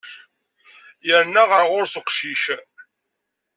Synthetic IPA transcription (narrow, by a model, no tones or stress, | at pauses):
jəɾnːæʁəʁʊɾsəqʃiʃ